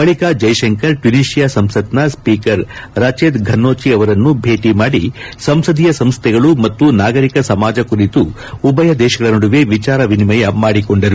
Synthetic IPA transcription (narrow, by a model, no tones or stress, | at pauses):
bɐɭikaːd͡ʒɐjʃɐŋkɐɾʈjuniːʃijasɐmsɐt̪nɐspiːkɐɾɾaːt͡ʃeːd̪ɡʱɐnːoːt͡ʃiɐʋɐɾɐnːubʱe̞ːʈimaːɽisɐmsɐd̪ʱijɐsɐmst̪ʰɛɡɐɭumɐt̪ːunaːɡɐɾikɐsɐmaːd͡ʒɐkuɾit̪u | ubɐjɐd̪ɛːʃɐɡɐɭɐnoɽuʋeʋit͡ʃaːɾɐʋinimɐjɐmaːɽiko̞ɳɖɐɾu